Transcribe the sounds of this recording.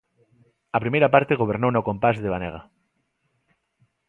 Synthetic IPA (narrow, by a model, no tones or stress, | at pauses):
apɾimejɾapaɾt̪eɣ̞oβ̞eɾnownokõmpazðeβaneɣ̞a̰